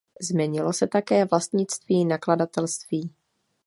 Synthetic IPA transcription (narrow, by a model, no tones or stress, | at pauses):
zmɛɲɪlo̞sɛt̪akɛːvlast̪ɲɪt͡st̪viːnakladat̪ɛlst̪viː